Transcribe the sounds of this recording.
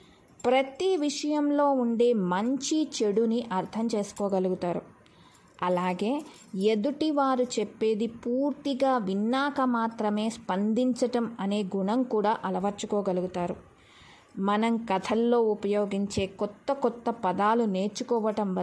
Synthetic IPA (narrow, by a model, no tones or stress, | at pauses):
pɾɐt̪iʋiʂɐjɐmlo̞ːuɳɖe̞ːmɐɲt͡ʃit͡ʃe̞ɽuniʔɐɾt̪ʰɐmt͡ʃe̞ːsu̥kɔːɡɐluɡut̪aːɾu | ɐlaːɡe̞ː | ed̪uʈiʋaːɾut͡ʃepːe̞ːd̪ipuːɾt̪iɡaːʋinːaːkɐmaːt̪ɾɐme̞ːspɐnd̪iɲt͡ʃɐʈɐmɐne̞ːɡuɳɐmkuːɽaːʔɐlɐʋɐɾt͡ʃːukɔːɡɐluɡut̪aːɾu | mɐnɐmkɐt̪ʰɐlːo̞ːupɐjoːɡiɲt͡ʃe̞ːkɔt̪ːɐkɔt̪ːɐpɐd̪aːlune̞ːɾt͡ʃukɔːʋɐʈɐmʋɐ